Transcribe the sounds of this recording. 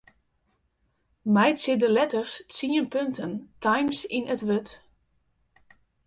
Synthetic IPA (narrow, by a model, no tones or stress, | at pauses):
majtsɪdəlɛtərssiənpøntʰəntʰajmsɪnʔətʋøt